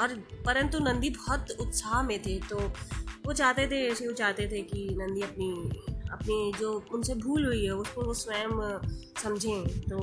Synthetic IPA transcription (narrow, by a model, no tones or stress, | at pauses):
ɔːɾpɐɾə̃nt̪unɐ̃nd̪ibɔɔt̪ʊt̪saːɦmẽt̪ʰet̪oːʋot͡ʃaːɦt̪et̪ʰeɛːseɦũt͡ʃaːɦt̪et̪ʰekinɐ̃nd̪iɐpniɐpned͡ʒoːʊnsebʱuːlɦʊiɦɛʊsmẽʋosʋɛːmsɐmd͡ʒʱẽt̪oː